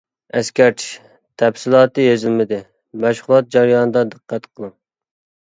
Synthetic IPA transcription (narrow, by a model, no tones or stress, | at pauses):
ɛskʲɛɾt͡ʃʰi̥ʃ | t̪ʰɛbsɨlˠɑːt̪ɨjezɪlmɪd̪ɪ | mæʃχʊlˠɑt̪̚d͡ʒɑɾjɑːnɨd̪ɑd̪ɨqʰːæt̪qʰəlˠɨŋ